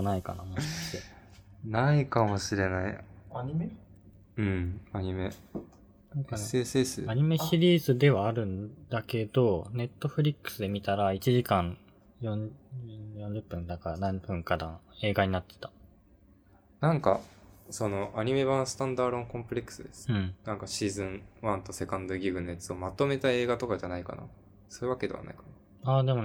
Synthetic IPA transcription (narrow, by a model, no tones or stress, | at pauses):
naika̰na̰mãaenaikamo̞ɕiɾe̞naiaɲime | ɯ̟̃ɴaɲ̟ime | nãŋkaeːseːsɨ̰aɲ̟ime̞ɕiɾʲiːzɨd̪e̞βaːɾɯ̟̃nd̪ake̞d̪o̞ne̞t̪ːo̞ɸɯ̟ɾʲikːɯ̥sɨd̪e̞mʲit̪aɾait͡ɕiʑikãɰ̃ | jõɲ | jõɲ̟d͡ʑɯpːɯ̟̃nd̪akaɾanãmpɯ̟̃ŋkad̪ãe̞ːɡaɲ̟inat̪ːe̞̥t̪ḁ | nãŋkaso̞no̞ʔaɲ̟ime̞βãɰ̃sɨ̥t̪ãnd̪aːɾõ̞ŋkõ̞mpɯ̟ɾʲe̞kːɯ̥sɨd̪esɨ̥ɯ̃ɴnãŋkaɕiːzɨ̃ɴβãnt̪o̞se̞kãnd̪o̞ɡʲiɡɯ̟nːojat͡sɨo̞mat̪o̞me̞t̪ae̞ːɡat̪o̞kad͡ʑanaika̰na̰ | so̞ɯβake̞d̪e̞βa̰na̰ikana | aːd̪e̞mo̞